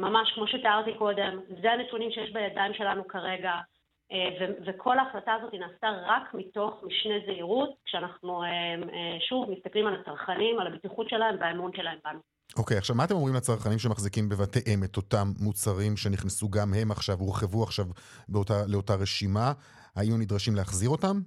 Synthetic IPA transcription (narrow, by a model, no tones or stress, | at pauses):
mamaʃkmo̞ʃet̪aaʁt̪iko̞d̪e̞mzeanetunimʃejeʃbejadaimʃe̞lanukaʁe̞ɡa | evevekʰo̞laːχlataːzo̞t̪inaːsaʁakmito̞χmiʃnezeiʁut̚kʃeanaχnuemeʃuvmist̪aklimalat͡saʁχanimalabitiχutʃe̞laemvaemunʃelaembanu | ʔo̞kejaχʃavmaːte̞mo̞mʁimlet͡saʁχanimʃemaχzikimbe̞vateʔemet̪o̞tamːut͡saʁimʃe̞niχnesuɡamɦe̞maχʃavuʁχevuaχʃav | beotale̞o̞taʁe̞ʃima | hajunidʁaʃimleaχziʁo̞tam